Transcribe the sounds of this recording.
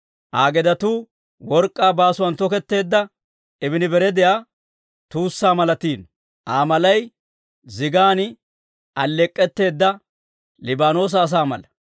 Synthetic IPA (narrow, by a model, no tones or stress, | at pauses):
ʔaːɡɛd̪ɐt̪uː | wɔɾkʼːaːbaːsʊwɐnt̪ɔkɛt̪ːe̞ːd̪ːɐ | ɪbɪnɪbɛɾɛd̪ɛjaː | t̪uːsːaːmɐlɐt̪iːn | ʔaːmɐlɐj | zɪɡaːn | ʔɐlːɛkʼːɛt̪ːe̞ːd̪ːɐ | lɪbaːno̞ːs̬ɐːs̬aːmɐ̰lɐ